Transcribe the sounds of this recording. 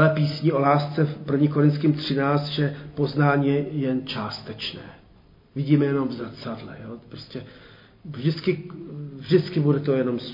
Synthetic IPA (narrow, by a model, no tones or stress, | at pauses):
lɛpiːsɲiʔo̞laːst͡sɛpr̩vɲiːkoɾɪnt̪skɪmt̪r̝̥ɪnaːt͡st̪ʒɛpo̞znaːɲijɛjɛnt͡ʃaːst̪ɛt͡ʃnɛ̰ː | vɪɟiːmɛjɛno̞mvzat͡sadlɛ̰joːpɾoscɛ | ʒdɪt͡skɪvʒdɪt͡skɪbudɛt̪o̞jɛno̞ms